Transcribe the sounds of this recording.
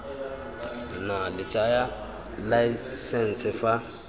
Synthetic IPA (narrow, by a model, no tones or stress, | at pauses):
nalɪt͡ʃʼaja | laisɛn̩t͡sʰɪfa